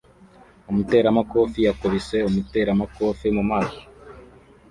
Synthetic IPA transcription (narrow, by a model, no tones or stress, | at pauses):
umute̞ːɾamako̞ːfijakoβise̞umute̞ːɾamako̞ːfimumaːso